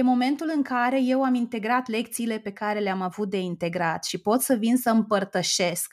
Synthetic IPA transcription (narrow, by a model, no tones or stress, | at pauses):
jemo̞me̞nt̪ulɨŋkaɾe̞je̞wamint̪e̞ɡɾat̪le̞k̚t̪siːle̞pe̞kaɾe̞leamavut̪̚d̪e̞int̪e̞ɡɾat̪ʃipo̞t̪səvinsəɨmpərt̪əʃe̞sk